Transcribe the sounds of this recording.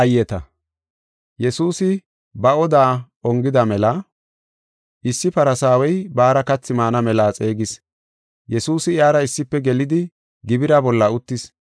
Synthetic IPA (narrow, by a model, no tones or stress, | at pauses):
ɐjɛt̪ɐ | jɛsuːsɪ | bɐɔd̪aː | ɔŋɡɪd̪ɐmɛlɐ | ʔɪsːɪpɐɾɐsaːwɛjbaːɾɐkɐt͡sːɪmaːnɐmɛlaːt͡sʼe̞ːɡɪs | jɛsuːsɪjaːɾɐɪsːɪpːɛɡɛlɪd̪ɪ | ɡɪbɪɾɐbɔlːɐʊt̪ːɪs